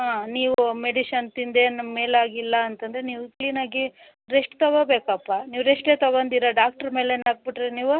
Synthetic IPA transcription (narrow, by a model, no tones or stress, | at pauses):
ɦaːniːʋumeɖiʃɐnt̪ind̪eːnɐmme̞ːlaːɡilːɐːnt̪ɐnd̪ɾeniːʋukliːnaːɡi | ɾeʂʈt̪ɐʋobeːkɐpːaniːʋɾeʂʈleːt̪ɐʋond̪iːɾɐɖaːk̚ʈɐɾme̞ːleːnaːɡ̚biʈɾeniːʋu